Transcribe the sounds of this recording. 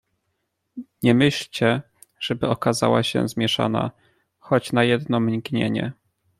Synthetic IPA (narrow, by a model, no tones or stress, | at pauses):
ɲɛmɘɕlt͡ɕɛ | ʐ̥ɛbɘɔkaza̰waɕɛ̰zmʲjɛʂa̰na̰ | xɔt͡ɕnajɛd̪nɔmɲikɲḛɲɛ̰